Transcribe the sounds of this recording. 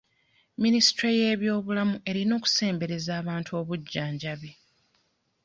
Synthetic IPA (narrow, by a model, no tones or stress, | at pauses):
minisi̥tɾejeːβjo̞ːβulamuʔe̞ɾino̞ːku̥se̞ːmbe̞ɾe̞zaːβaːntʰuo̞ːβuɟːaːɲɟaβe